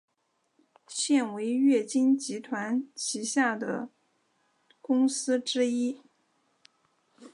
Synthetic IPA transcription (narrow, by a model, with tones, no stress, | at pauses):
ɕjɛ˥˩nwe˧˥ɪɥɛ˥˩t͡ɕi˥nt͡ɕi˧˥t̪ʰwa˧˥nt͡ɕʰi˧˥ɕja˥˩d̪ə̰˩ | kʊ˥ŋsɹ̩˥ʈ͡ʂɻ̩˥i˥